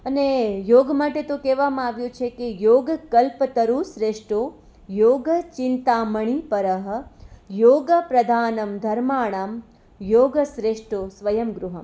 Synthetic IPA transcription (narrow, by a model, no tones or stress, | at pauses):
ənejoːɡmaʈet̪okeʋamãaʋjũt͡ʃʰekejoːɡkəlpət̪əɾusɾeʂʈo | joːɡət͡ʃɪnt̪aːməɳ̃ipəɾəɦə̆joːɡəpɾɐd̪ʱaːnəmd̪ʱɐɾmaːɳ̃aːm | joːɡəsɾeʂʈosʋəjəmɡɾuɦəm